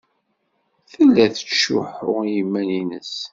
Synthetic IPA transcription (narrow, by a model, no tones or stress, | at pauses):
θəlːæθə̥ʃːʊ̰ħʊʁjimːæninəs